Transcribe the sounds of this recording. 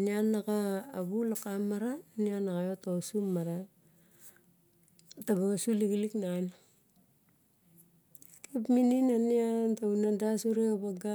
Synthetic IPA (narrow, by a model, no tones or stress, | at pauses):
nianːakaːβulakamːaɾanianakajotosumːaɾa | taβaasuliɡiliknan | kipmininaniantaunadasuɾeaβaɡa